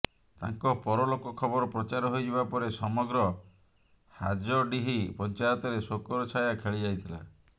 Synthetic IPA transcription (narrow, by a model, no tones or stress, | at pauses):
t̪a̰ŋkɔpɔɾɔlokɔkʰɔbɔɾɔpɾɔt͡ʃaɾɔɦojd͡ʒʱibapɔɾesɔmɔɡɾɔ | had͡ʒɔɖiɦipɔnt͡ʃajɔt̪ɔɾesokɔɾɔt͡ʃʰajakʰeɭid͡ʒajt̪ʰila̰